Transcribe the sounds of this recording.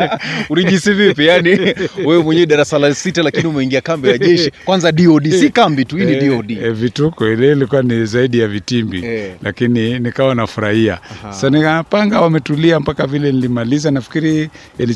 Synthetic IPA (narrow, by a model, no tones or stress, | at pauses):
uɾiʄisivipijaniwɛwɛmwɛɲɛɛɗaɾasalasitalakiniumɛiŋɡiakambijaʄɛʃikwanzaɗiɔɗisikambituhiːniɗiɔɗivitukɔilɛilikuwanizaiɗijavitimbilʔakininikawanafuɾahia̰asaniapaŋɡawamɛtuliampakavilɛnilimalizanafi̥kiɾi | ili